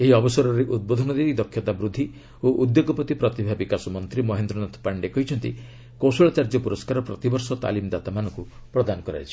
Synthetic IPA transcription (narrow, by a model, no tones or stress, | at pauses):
eɦiɔbɔsɔɾɔɾeʔud̪̚bod̪ʱɔnɔd̪ed̪id̪ɔkʰːjɔt̪abɾud̪ʱːi | oʔud̪joɡɔpɔt̪ipɾɔt̪ibʱabikasɔmɔnt̪ɾimɔɦend̪ɾɔnɔt̪ʰpaɳɖekɔɦit͡ʃʰɔnt̪ḭ | kosɔɭɔt͡ʃaɾd͡ʒɔpuɾɔskaɾɔpɾɔt̪ibɔɾsɔt̪a̰limd̪at̪amanɔ̃ŋkupɾɔd̪anɔkɔɾa̰jt͡ʃʰi̥